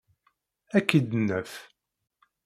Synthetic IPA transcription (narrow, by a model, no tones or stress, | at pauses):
ækːid̪ənːəf